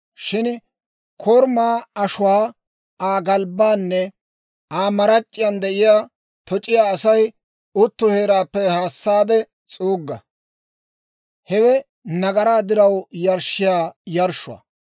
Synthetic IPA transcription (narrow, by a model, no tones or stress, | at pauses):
ʃɪn | kʰɔɾmaːɐʃʊwaː | aːɡɐlbːaːnːɛ | aːmɐɾɐt͡ʃʼːɪjɐnd̪ɛʔɪjaː | t̪ʰɔt͡ʃʼɪjaːɐsɐj | ʊt̪ːʊheːɾaːpːɛhaːsːaːd̪ɛ | t͡sʼuːɡːɐ | hɛwɛ | nɐɡɐɾaːd̪ɪɾɐwjɐɾʃɪjaːjɐɾʃʊɐ̰